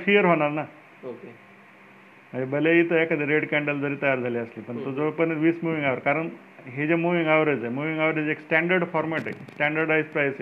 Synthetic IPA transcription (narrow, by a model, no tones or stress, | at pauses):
fʰijəɾɦoɽ̃aɾna | oke | məd͡ʑebəleɦit̪əekad̪eɾeɽkɛ̃ɳɖəld͡zəɾiːt̪əjaɾd͡zʱaliəslipəɳt̪od͡zopəɳʋiːsmuʋĩŋɡaʋəɾkaɾəɳ | ɦed͡ʑemuʋĩŋɡaʋɾəd͡zajmuʋĩŋɡaʋɾed͡zeksʈæɳɖəɾɖfɔɾmɛʈḛsʈæ̃ɳɖəɾɖajspɾajse